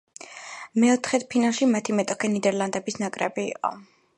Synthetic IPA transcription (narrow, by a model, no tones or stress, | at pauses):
mɛɔt̪ʰχɛt̪̚pʰinalˠʃimat̪ʰimɛt̪ʼɔkʰɛnid̪ɛɾlˠand̪ɛbisnakʼɾɛ̰bḭːqʼɔ̰